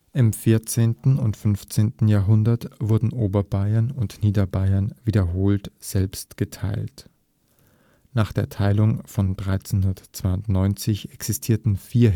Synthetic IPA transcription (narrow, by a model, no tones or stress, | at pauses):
ʔɪmfɪɐt͡seːntn̩ʊntfʏnft͡seːntn̩jaːɐɦʊndɐtv̥ʊɐdn̩ʔoːbɐbaɪɐnʊntniːdɐbaɪɐnviːdɐɦoːltz̥ɛlpstɡ̥ətʰaɪlt | naːχd̥eːɐtʰaɪlʊŋfɔndʁaɪt͡senhʊndɐt͡sv̥aɪʊntnɔʏnt͡sɪçɛksɪstʰiːɐtn̩fiːɐ